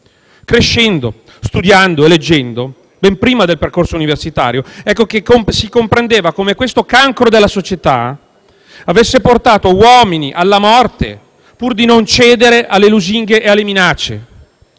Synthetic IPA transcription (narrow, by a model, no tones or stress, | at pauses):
kɾeʃːɛnd̪o | st̪ud̪jand̪oeled͡ʒːɛnd̪o | bɛmpɾiːmad̪elperkorsouniversit̪a̰ːɾjoɛkːok̟ekːomsikompɾend̪eːvakomekwest̪okaŋkɾod̪elːasot͡ʃet̪a̰ | avesːeport̪aːt̪owɔːminiʔalːamɔrt̪ḛ | purd̪inont͡ʃɛːd̪eɾeʔalːeluziŋɡeʔːalːeminat͡ʃːḛ